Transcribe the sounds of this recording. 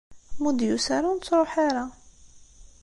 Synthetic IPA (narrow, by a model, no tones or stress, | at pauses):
mud̪jusaɾunt͡sːɾˤoħaɾa